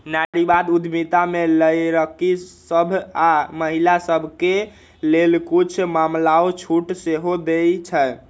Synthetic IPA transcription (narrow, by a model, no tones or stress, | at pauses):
naɾibad̪ud̪ʱmit̪ameləjɾəkisəbʱaməɦilasəbʱke | lelkut͡ʃʰmamlaot͡ʃʰuʈseɦod̪ejt͡ʃʰɛ